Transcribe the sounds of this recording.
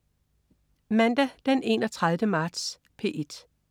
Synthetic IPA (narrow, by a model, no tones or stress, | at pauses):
mænd̥æd̥enʔe̝̰nɒt͡sʰʁaðˠʋəmɑ̈ːd̥s | pʰe̝̰ʔe̝d̥